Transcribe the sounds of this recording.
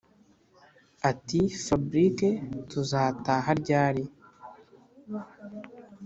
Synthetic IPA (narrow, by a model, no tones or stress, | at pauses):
atifabɾiketuzaːtaːɦaɾɟaːɾi